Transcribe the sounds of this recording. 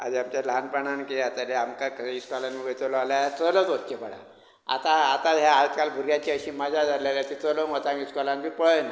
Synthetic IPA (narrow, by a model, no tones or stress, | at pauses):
a̰d̪iamt͡ɕalanpəɳ̃ankeat̪aleamkakəiskalanuɡəjt͡səlɔalaat͡səlɔt͡sot̪kepəɽa̰ | a̰t̪aːt̪aɦjaat͡ɕkalbʱuɾɡjat͡ɕeəɕiːmad͡ʑʱad͡zʱaljat̪jat̪it͡səlomət͡sãŋɡiskɔlãnbipəna